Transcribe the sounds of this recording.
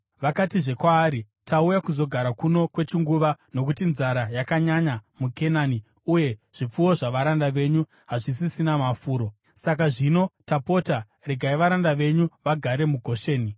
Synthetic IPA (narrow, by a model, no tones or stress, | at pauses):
ʋakatiʐe̞kwaːɾi | taujakuzo̞ɡʱaɾakuno̞kwe̞t͡ʃiŋɡuʋano̞kutinzaɾajakaɲaɲamuke̞naːni | uje̞ʐ̥ip͡fuwo̞ʐaʋaɾandaʋe̞ɲu | ɦaʐisisinamafuːɾo̞ | sak̬aʐino̞tapo̞ta | reɡʱaiʋaɾandaʋe̞ɲuʋaɡʱaɾe̞muɡʱo̞ʃe̞ːni